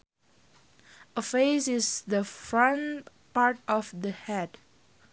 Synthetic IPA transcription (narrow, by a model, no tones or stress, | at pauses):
əfesɪsdəfɹãn | paɹtɔfdəhɛd